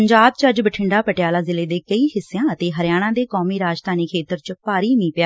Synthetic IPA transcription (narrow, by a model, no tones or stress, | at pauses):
əɲd͡ʒaːb̚t͡ʃəd͡ʒbəʈʰɪɳɖaːpəʈɪjaːlaːzɪleːd̪eːkəiːɦɪsːejãːət̪eːɦəɾjaːɽ̃ãːd̪eːkoːmiːɾaːd͡ʒt̪ʰaːniːkʰeːt̪əɾt͡ʃpaːɾiːmĩːpɪjaː